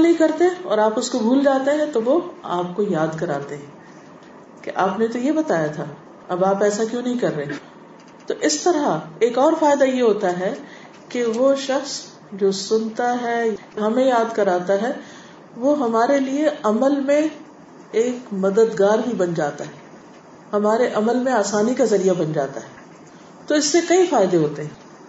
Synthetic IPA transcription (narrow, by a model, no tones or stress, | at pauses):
lɦĩkɐɾt̪eɦɛ̃ɔːɾaːpʊskobʱuːld͡ʒaːt̪eɦɛ̃t̪oʋoaːp̚kojaːd̪kɐɾaːt̪eɦɛ̃ː | keʔaːpnẽt̪ojebɐt̪aːjat̪ʰa | ɐbaːpɛːsakjõːnɐɦĩkɐɾːeeː | t̪oːʔɪst̪ɐɾaeːkɔːɾfaːjɪd̪ajeɦoːt̪aɦɛ | keʋoʃɐxs | d͡ʒoːsʊnt̪aɦɛːjɦɐmẽjaːd̪kɐɾaːt̪aɦɛ | ʋoːɦɐmaːɾelieɐməlmẽ | eːkmɐd̪əd̪ɡaːɾɦibɐnd͡ʒaːt̪aɦɛː | hɐmaːɾeʔɐməlmẽaːsaːnikazɐɾijabɐnd͡ʒa̰ːt̪aɦɛː | t̪oɪsːekɐifaːɪd̪eɦoːt̪eɦɛ̃ː